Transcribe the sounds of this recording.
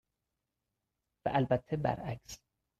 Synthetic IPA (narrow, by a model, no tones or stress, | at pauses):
væ̰ʔælbæt̪ʰːebæ̰ɾæks